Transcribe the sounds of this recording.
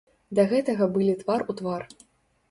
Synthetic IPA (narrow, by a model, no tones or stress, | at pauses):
d̪ɐɣɛt̪ɐɣɐbɨlʲit̪varut̪var